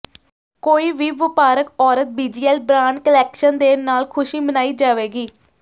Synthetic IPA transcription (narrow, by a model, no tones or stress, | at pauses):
koːiːʋiːʋɪpaːɾəkɔːɾət̪̚biːd͡ʒiːɛlbɾaːnkəlɛːkʃənd̪eːnaːlkʰʊʃiːmənaːiːd͡ʒaːʋeːɡiː